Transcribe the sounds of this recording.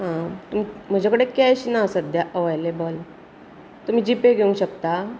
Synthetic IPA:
ɦãt̪um̤im̤əd͡ʑakəɽekjajɕinaəsət̪̚d̪jaʔəʋajlebɔl | t̪um̤iːd͡ʑipeɡʱeũɕəkt̪a

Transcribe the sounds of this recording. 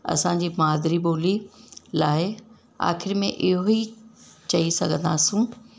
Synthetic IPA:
ɐ̰sãɲ̆d͡ʑiːmaːd̪ɾiɓoːlilaːɪ | a̰ːxɪɾmẽʔɪɦoit͡ɕɐisɐɡʱə̃nd̪aːsũ

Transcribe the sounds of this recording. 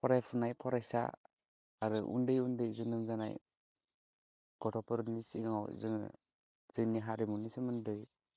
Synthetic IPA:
pʰɔɾajpʰunajpʰɔɾajsa̰ː | ɾɯʔṵndɯjundɯjzɯnɯmd͡ʒana̰j | ɡ̥ɔʈʰɔpɯɾnisiŋawzɯŋ̰ | z̥ɯniɦaɾimunisɯmɯndɯj

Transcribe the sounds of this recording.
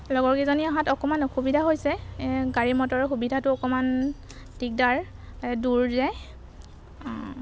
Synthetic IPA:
lɔɡɔɹkɛzɔniaɦãtɔkɔmanɔxubidʱaɦojsɛɡaɹimɔtɔɹxubidʱatʊɔkɔman | tik̚daɹ | duɹzɛ

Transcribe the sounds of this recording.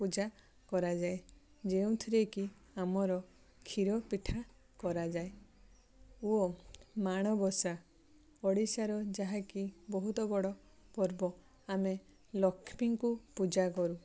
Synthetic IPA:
pud͡ʒa | kɔɾad͡ʒae | d͡ʒeũt̪ʰiɾeki | amɔɾɔ | kʰiɾɔpiʈʰa | kɔɾad͡ʒae | uɔmaɽ̃ɔbɔsa | ɔɽisaɾɔd͡ʒaɦakibɔɦut̪ɔbɔɽɔ | pɔɾbɔ | ame | lɔkʰpiŋkupud͡ʒakɔɾu

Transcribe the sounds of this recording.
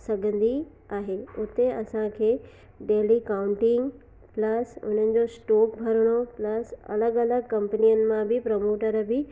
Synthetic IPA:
sɐɡʱə̃nd̪i | aːɦeʊt̪eɐsãkʰeː | ɖeːlikaːʊ̃ɳʈɪ̃ŋɡ | pləsʊ̰n̤ənɪ̆d͡ʑosʈoːk̚bʱɐɾəɽ̃oplɐsɐ̰ləɡɐləɡkɐ̃mpənijənɪ̆mãbɪpɾɐmoːʈəɾbɪ

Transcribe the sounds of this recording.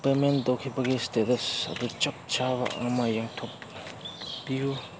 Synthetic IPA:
pemendowkʰibɐɡistetɐsɐ̰dut͡ʃɐp̚t͡ʃabɐ̰ʔɐ̰mɐjaŋtʰopː | iju

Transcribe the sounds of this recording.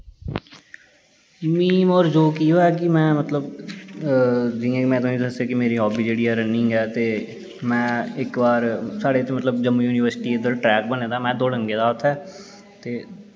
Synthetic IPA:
miːmɔːɾd͡ʒoːkiːɦoɛːk̬ɪmɛ̃ːmət̪ləb | d͡ʒiãːmɛ̃ːt̪õːnĩːd̪əseːkɪmeːɾiːɦɔːbiːd͡ʒeːɽiːɛːɾənɪ̃ŋɡɛːt̪eː | mɛ̃ːɪkbaːɾsaːɽeːt̪eːmət̪ləbd͡ʒəmːjuːniːʋəɾsɪʈiːed̪əlʈɾɛːk̚bənẽːd̪aːmɛ̃ːd̪oːləŋɡeːd̪aːʊt̪ʰːɛː | t̪eː

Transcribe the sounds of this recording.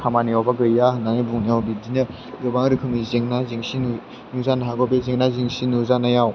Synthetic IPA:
kʰamanijawbaɡɯjjananibuŋnijawbidinɯ | ɡɯbaŋɾɯkʰɯmizeŋnaziŋsin | nuzanaɦaɡɔbezeŋnaziŋsinuzanajaw

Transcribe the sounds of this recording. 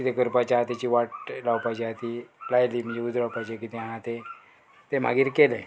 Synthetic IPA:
kit̪ekəɾpat͡ɕaat̪at͡ɕiːʋaʈlawpajt͡ɕiɦat̪ilajliːm̤əd͡ʑeud͡z̪ɾawpajt͡ɕekit̪eaɦãt̪e | t̪em̤a̰ɡiːɾkelẽ

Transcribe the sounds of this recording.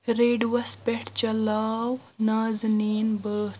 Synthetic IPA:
ɾeːɖwɐspeʈʰt͡ʃɐlaːw | naːzniːnbəː

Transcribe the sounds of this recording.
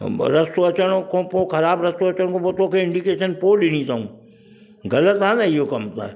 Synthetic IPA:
ɾɐst̪oɐt͡ʃəɽ̃okõpokʰɐɾaːbɾɐst̪oɐt͡ʃəɽ̃kopot̪okʰeɪ̃ɳɖikeːʃənpoɗɪñit͡ʃaũː | ɡɐlət̪ɦãnaijokɐmt̪a̰ɛ

